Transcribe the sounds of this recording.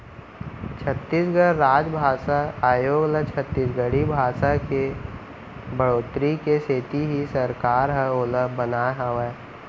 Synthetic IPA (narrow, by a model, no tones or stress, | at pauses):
t͡ʃʰət̪ːis̬ɡəɽɾaːd͡ʒbʱaːsaaːjoːɡlət͡ʃʰət̪ːisɡəɽibʱaːsake | bəɽoːt̪ɾikeseːt̪iɦisəɾkaːɾɦɛoːləbənaːɦaʋa